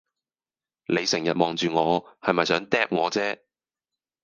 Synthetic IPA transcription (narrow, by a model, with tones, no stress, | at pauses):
le˨˧jsɪ˨˩ŋjɐ˨t̚mɔː˨˧ŋt͡ʃyː˨ŋɔː˨˧hɐ˨jmɐ˨jsœː˨˥ŋt̪ɛː˥p̚ŋɔː˨˧t͡sɛː˥